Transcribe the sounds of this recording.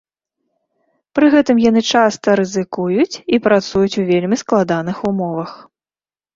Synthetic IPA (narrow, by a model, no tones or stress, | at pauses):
pɾɨɣɛt̪ɨmjan̪ɨt͡ʂast̪ɐɾɨzɨkujut͡sʲipɾat̪sujut͡sʲuvʲelʲmʲisklˠad̪anɨxumɔvɐx